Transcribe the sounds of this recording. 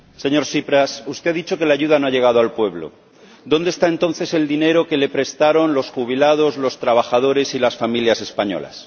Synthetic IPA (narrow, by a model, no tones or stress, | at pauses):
se̞ɲo̞ɾsipɾasust̪e̞aðit͡ʃo̞ke̞laʝuðanoaʝe̞ɣað̞oalpwe̞βlo̰ | d̪o̞nd̪est̪ae̞nt̪o̞nθe̞se̞ld̪ine̞ɾo̞ke̞le̞pɾe̞st̪aɾo̞nlo̞sxuβ̞ilað̞o̞zlo̞st̪ɾaβ̞axaðo̞ɾe̞silasfamiljase̞spaɲo̞̰la̰s